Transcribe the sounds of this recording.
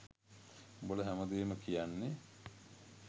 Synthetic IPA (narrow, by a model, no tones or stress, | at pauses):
boləɦæməd̪eːməkijanːe